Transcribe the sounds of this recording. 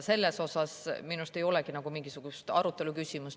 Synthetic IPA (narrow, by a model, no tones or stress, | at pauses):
se̞lːeso̞sɑsminust̪e̞jo̞lɛkinɑɡ̥umiŋɡ̥isuɡ̥ust̪ɑ̰ɾut̪ːˑe̞lukysʲimus